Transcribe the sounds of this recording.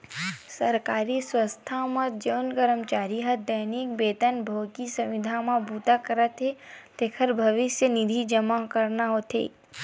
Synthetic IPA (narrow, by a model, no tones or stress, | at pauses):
səɾkaːɾiswəst̪ʰamãd͡ʒəːnɡəɾəmt͡ʃaːɾiɦɐd̪əɦnik̚beːt̪ənbʱokisɐ̃wʋɪd̪ʱãmãbuːt̪akəɾət̪ɦet̪ekʰəɾbʱɐʋɪsjənid̪ʱid͡ʒəmakəɾnaɦot̪ʰɦḛː